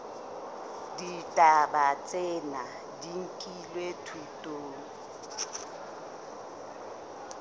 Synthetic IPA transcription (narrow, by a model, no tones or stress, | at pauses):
ditʼaɓat͡sʼɛna | diŋkʼilwetʰutʼoːŋ